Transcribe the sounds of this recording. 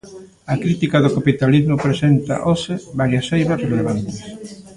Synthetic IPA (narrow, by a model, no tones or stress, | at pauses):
ɐkɾit̪ikaðʊkapit̪alizmʊpɾesent̪ɐ̰ʔosɪβaɾjasejβɐsreleβant̪ɪs